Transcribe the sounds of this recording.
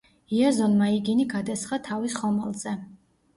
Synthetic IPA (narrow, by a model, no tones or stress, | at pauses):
iɛzɔnmaiɡiniɡad̪asχat̪ʰavisχɔmɛlˠzɛ